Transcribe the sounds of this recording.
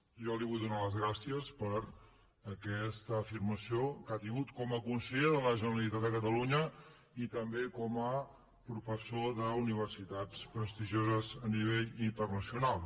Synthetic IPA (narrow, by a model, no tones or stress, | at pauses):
ʒɔliβujðunaləzɣɾasiəspəɾ | əkɛst̪əːfiɾməsiokat̪iŋɡut̪kɔməkunsəʎeðələʒənəɾəlit̪at̪əkət̪əluɲə | it̪əmbekɔmə | pɾufəsoðəuniβ̞ərsit̪at͡spɾəst̪iʒozəzəniβeʎint̪ərnəsiunalˠ